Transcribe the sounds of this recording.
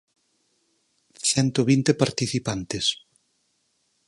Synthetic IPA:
θɛnt̪oβint̪epaɾt̪iθipant̪es

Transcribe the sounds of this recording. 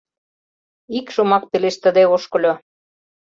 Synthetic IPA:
ikʃomɑk̚peleʃt̪əd̪eoʃkɤ̆lʲo

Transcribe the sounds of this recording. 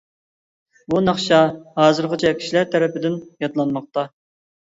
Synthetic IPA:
bunɑχʃɑhɑːzɨɾʁɑt͡ʃʰɛkʲʰi̥ʃlæɾt̪ʰæɾɛpɪd̪ɪnjɑt̪lˠɑnmɑq̚t̪ɑ

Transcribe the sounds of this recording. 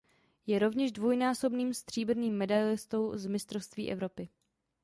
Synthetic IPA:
jɛɾo̞vɲɛʒdvojnaːso̞bniːmst̪r̥iːbɾ̩niːmːɛdajlɪst̪o̞wzmɪst̪ɾofst̪vḭːʔɛvɾo̞pɪ

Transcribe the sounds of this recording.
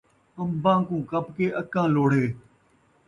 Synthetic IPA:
əmbãːkũːkəpkeːʔəkãːloːɽ̤eː

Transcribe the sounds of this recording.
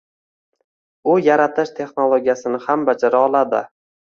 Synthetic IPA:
ʊjaɾat̪ʰɪʃt̪ʰe̞χnolˠoɡʲijasɪnɪhambad͡ʒaɾaɒlˠad̪ɪ̰

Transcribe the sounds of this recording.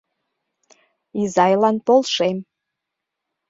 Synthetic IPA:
izɑjlɑnpolˠʃem

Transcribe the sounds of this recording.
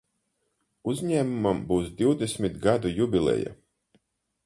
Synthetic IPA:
uzʲɲæːmumambuːsd̪ʲiwd̪esʲmʲit̪ɡad̪ujubʲilʲˠɛ̰ja̰

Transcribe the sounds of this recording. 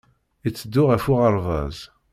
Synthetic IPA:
it͡sːəd̪ːʊʁæfʊʁɑɾˤvɑ̰z

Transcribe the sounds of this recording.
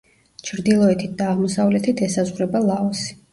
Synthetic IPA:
t͡ʃʰɾd̪ilˠɔɛt̪ʰit̪̚d̪aːʁmɔsavlɛt̪ʰit̪ʰɛsazʁɾɛbalˠaɔsi̥

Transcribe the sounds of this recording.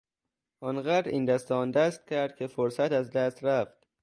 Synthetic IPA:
ʔɒːnɢæːɾɾiːnd̪æst̪ɛɒnd̪æst̪̚cʲʰæɾd̪̚kʲʰe̞foɾsæt̪æzd̪æst̪ɾæft̪

